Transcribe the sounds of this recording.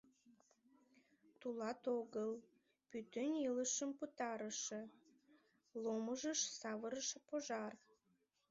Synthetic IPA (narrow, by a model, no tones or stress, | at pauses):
t̪ulɑt̪oɣəl | pyt̪øniləʃəmput̪ɑɾəʃĕ | loməʒəʃsɑβəɾəʃpoʒɑr